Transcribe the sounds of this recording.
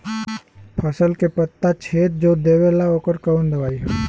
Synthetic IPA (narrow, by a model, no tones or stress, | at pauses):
pʰɐsəlkepət̪ːat͡ʃʰeːt̪̚d͡ʒoːd̪eːʋelaoːkəɾkəʋənd̪ɐʋaːiɦɛː